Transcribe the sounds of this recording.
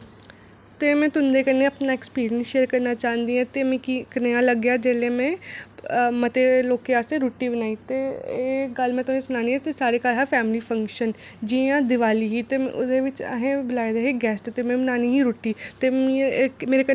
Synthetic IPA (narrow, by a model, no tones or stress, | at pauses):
t̪emẽt̪ʊnd̪ekɐɾneɐpnaekspiːɾijə̃nsʃeːəɾkɐɾnat͡ʃaːɦnd̪iɦɛ̃t̪emẽkikɐnejãlɐɡːjad͡ʒɛlemẽ | mɐt̪eloːkːeaːst̪eɾuːʈːibɐnaːit̪e | ɡɐlmẽt̪ʊẽsʊnaːniɦɛ̃t̪esaːɾekaːɾɦafɛːmlifɐ̃ŋkʃən | d͡ʒijãd̪ɪʋaːliɦit̪eʊ̰d̪eʋɪt͡ʃɐ̰ɦẽbɪlaːjd̪eɦeɡɛːsʈt̪emẽbɐnaːniɦiɾuːʈːit̪ememeːɾekɐ